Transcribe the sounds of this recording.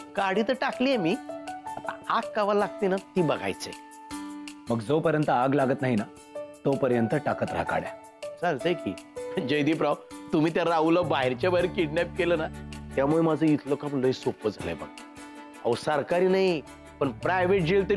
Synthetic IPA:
kaɽiːt̪əɾʈakliːemiːat̪ã̰akːaʋalaɡ̚t̪enat̪iːbəɡʱa̰jt͡sḛ | məɡd͡zopəɾjənt̪əaɡlaɡət̪naɦina | t̪opəɾjənt̪əʈakət̪ɾ̤a̰ka̰ɽja̰ | səɾd͡zəjkḭːd͡ʑəjd̪iːpɾawt̪um̤iːt̪jaɾauləbaɦeɾt͡ɕabaɦeɾkiɖnap̚keləːnat̪jamuɭemad͡zʱəːit̪ʰlokapəɳloisopəd͡zʱa̰lə̰jbə̰ɡ | a̰ʋsəɾkaɾiːnaɦi | pəɳpɾajʋeʈ̚d͡ʑelt̪ə

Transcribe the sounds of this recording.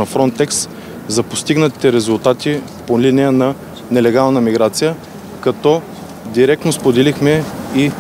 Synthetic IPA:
ɐfɾɔnt̪ɛks | zɐpost̪iɡnət̪i̥t̪ɛɾɛzʊlˠt̪at̪i | polinijənɐ | nɛlɛɡalˠnəmiɡɾat̪sijə | kɐt̪ɔ | d̪iɾɛk̚t̪nospod̪ɛlixmɛi

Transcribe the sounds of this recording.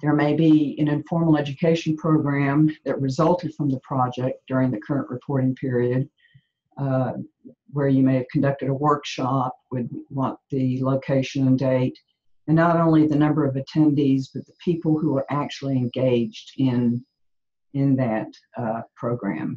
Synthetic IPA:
ðə˞meɪbiɨ̃nɨ̃ɱfɔɹml̩ˠɛd͡ʒɨkʰeɪʃn̩pʰɹ̥oʊɡɹæ̃mðɨʔ̚ɹɨzʌlˠtʰɨd̥fɹʌ̃mðəpʰɹ̥ɑd͡ʒɛk̚d̥ʊɹɪ̃ŋðɨkʰɜ˞ɨ̃nʔɹɨpʰɔɹɾɪ̃ŋpʰɪɹiɨd̚ | wə˞jɨmeɪɨv̥kʰn̩dʌk̚tɨɾəwɜ˞kʃɑp̚wɨd̚wɑ̃nðɨloʊkʰeɪʃɨ̃ñndeɪɾ | ɨ̃nːəɾõʊ̃nliðɨnʌ̃mbə˞ʌvɨtʰɛ̃ndizb̥ʌt̪̚ðəpʰipl̩ˠhuə˞ʔæk̚t͡ʃul̩ˠiɨ̃nɡeɪd͡ʒdɪ̃n | ɪ̃nðɨt̚ | pʰɹ̥oʊɡɹæ̰̃m

